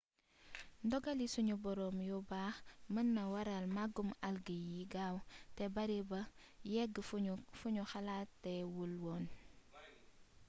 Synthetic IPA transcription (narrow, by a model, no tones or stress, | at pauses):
ndɔɡalisuɲubɔɾɔːmjɔbaxmənːɐwaɾalmaɡumalɡəjiɡaːwtebɐɾibɐ | jɛɡfuɲuxalaːtːɛwulwɔn